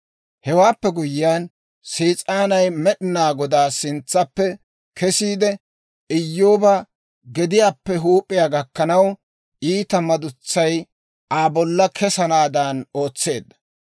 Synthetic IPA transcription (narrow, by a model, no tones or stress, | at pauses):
hɛwaːpːɛɡʊjɪjaːn | siːt͡sʼaːnɐjmɛɗɪnaːɡɔd̪aːsɪnt͡sːɐpːɛ | kʰɛsiːd̪ɛ | ɪjːoːba | ɡɛd̪ɪjaːpːɛɦuːpʼːɪjaːɡɐkːɐnɐw | ʔiːt̪ɐmɐd̪ʊt͡sːɐj | aːbɔlːɐkʰɛsɐnaːd̪ɐno̞ːt͡sːe̞ːd̪ːɐ̥